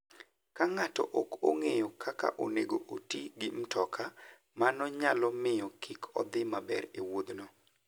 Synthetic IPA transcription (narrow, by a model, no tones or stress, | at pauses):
kaŋatɔ̰ʔoko̰ŋejɔkʰaka̰ʔoneɡoʔotiɡimtɔkʰa | manɔɲalɔmɪjɔkʰikʰɔ̰d̪ɪmabɛ̰ɾewod̪nɔ